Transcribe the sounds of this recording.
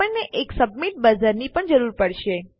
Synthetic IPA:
əɳnːeʔeksəbmiʈ̚bəd͡ʒəɾnipəɳd͡ʒəɾuɾpəɽʃe

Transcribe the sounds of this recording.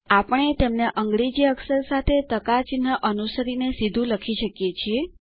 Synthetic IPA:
apəɳ̃et̪emneʔəŋɡɽid͡ʒiəksəɾsat̪ʰet̪əkat͡ʃinəʔənusəɾinesid̪ʱũləkʰiʃəkjet͡ʃʰie

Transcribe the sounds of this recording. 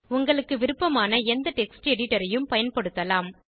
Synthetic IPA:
ʊŋɡɐɭɯkːɯʋɪɾɯpːɐmaːnɐɛnd̪ɐʈɛksʈɛɽɪʈːɐɾɐjɯmpɐjɐnpɐɽɯt̪ːɐlaːm

